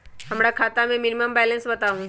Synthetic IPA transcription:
ɦəmɽjakʰat̪amẽminiməmbɛlensbət̪aʋũ

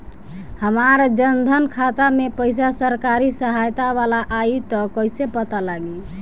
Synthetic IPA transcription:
həmaɾd͡ʒənd̪ʱənkʰat̪amepəjs̬asəɾkaɾisəɦajt̪aβalaʔːit̪ɔkəjsepət̪alaɡi

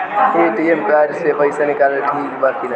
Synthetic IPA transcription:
eʈiemkaɾsebəɪsanikaled̪ʱibakina

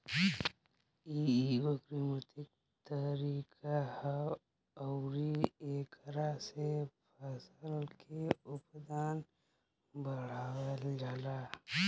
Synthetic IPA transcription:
iwəkɾimət̪ɪk̚ | t̪əɾiːkʰah | əʊɾieːkɾasepʰəsəlkʰeʊpd̪aːn | bəɽ̤aːwəld͡ʒaːlaː

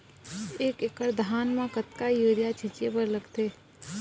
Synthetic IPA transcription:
eːkekəɾd̪ʱaːnmãkət̪kajəːɾjat͡ʃʰɪt͡ʃepəɾləɡt̪eː

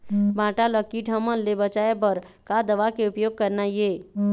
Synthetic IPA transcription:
bãːʈaləkiʈʰəmənlebət͡ʃaepəɾ | kad̪əʋakeʊpjoːɡ̚kəɾnajeː

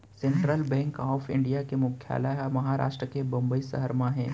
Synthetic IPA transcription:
sẽɳʈɾəlbɛ̃ːŋkɦɔːfɪ̰̃ɳɖijakemʊkʰːja̰ːlajamɐɦaɾa̰ːʃʈɾəkebɐ̃mbəisə̰ɦəɾmãɦɛ̃ː

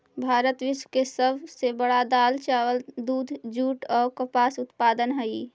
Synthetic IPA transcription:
bʱaːɾət̪ʋɪʃwkesəbsebəɽad̪aːlt͡ʃaːwəld̪uːd̪ʱd͡ʒuːʈɔːɾkəpaːsʊt̪paːd̪ənɦəi

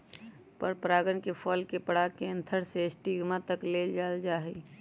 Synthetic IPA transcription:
pəɾpɾaːɡəɳkefʰɔːlkepəɽaːkeə̃nt̪ʰəɽseɪsʈiːɡmãt̪əkleːld͡ʒaːld͡ʒaːɦe

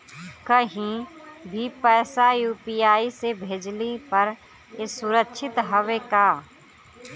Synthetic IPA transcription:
kəɦĩbʱipɛːsajuːpiːjaːisebʱeːd͡ʒlipɐɾ | esʊɾəkʃʰɪt̪ɦəʋekaː

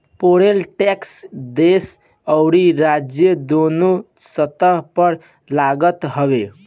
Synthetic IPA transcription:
poɾelʈɛksd̪es | əʊɾiɾad͡ʒjəd̪onu | sət̪əɦpəɾ | laɡət̪ɦəβe

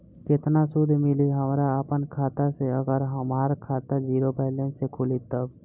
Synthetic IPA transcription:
kɪt̪nasʊd̪ʱmɪliɦəmɾaəpənkʰaːt̪aseəɡəɾɦəmaːɾkʰaːt̪ad͡ʒiːɾobaːlẽnsekʰʊlit̪əb

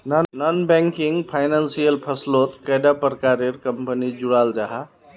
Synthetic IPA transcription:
nnɔnbɛ̃ŋkiŋɡpʰaɪnãnsijəlpʰəslot̪kəjɖapəɾkaɾeɾkəmpənid͡ʒuɽalɾaɦa

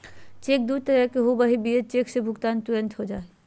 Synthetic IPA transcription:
t͡ʃeːk̚d̪uɾt̪əɾəɦkeɦobəɦibiət͡ʃeksebʱʊɡt̪aːnt̪ʊɾə̃nt̪ʰɦod͡ʒaːe

